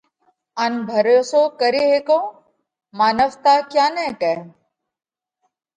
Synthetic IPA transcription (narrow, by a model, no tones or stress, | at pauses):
ɐnbʱɐɾosoːkəɾeɦekõː | maːnəʋt̪aːkjaːnɛkɛ